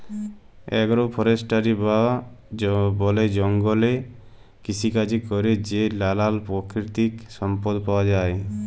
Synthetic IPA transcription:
ɛ̰ɡɔɾopʰɔɾesʈaɾiba | bɔled͡ʒɔŋɡɔle | kit͡ʃʰikad͡ʒʰʱikɔɾed͡ʒelalalpɔkʰɾit̪iksɔmpɔd̪pawad͡ʒae

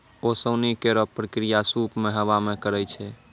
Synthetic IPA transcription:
osəwnikeɾɔpɾəkɾijasupmeɦəʋamekəɾɛjt͡ʃʰɛ

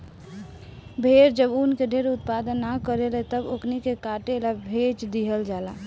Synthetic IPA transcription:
bʱeɾd͡ʒəbunkeɖʱeɾut̪̚pad̪ənːakəɾelɛt̪əboknikekaʈelabʱet͡ʃd̪iɦəld͡ʒala

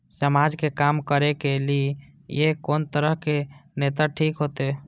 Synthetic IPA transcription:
səmaːd͡ʒkekaːmkəɾekelie | jekoːnt̪əɾəɦkenet̪aʈʰiːkɦoːt̪ee

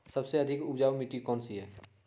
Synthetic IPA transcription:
sɐbseɐd̪ʱɪkʊpd͡ʒaːwmɪʈikɔːnsiɦɛː

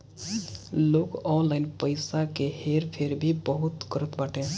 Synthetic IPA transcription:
lokɔnlaɪnpəɪjsakeheɾpʰeɾbʱibəɦut̪ɡəɾət̪baʈẽ

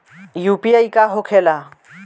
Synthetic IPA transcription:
jupiajkaɦokʰela

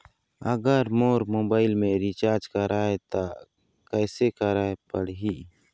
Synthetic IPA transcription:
əɡəɾmoːɾmoːbaːɪlmẽɾit͡ʃaːɾd͡ʒkəɾaːet̪a | kɛːsekəɾaːepəɽɦiː

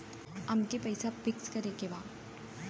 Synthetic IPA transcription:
ɐmkepɐjsafɪkskɐɾekeʋaː

